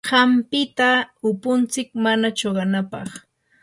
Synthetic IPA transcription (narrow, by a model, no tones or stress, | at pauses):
ɢɑmpɪt̪aʊpʊnt͡sɪkmanat͡ʃoɢɑnapɑ̰χ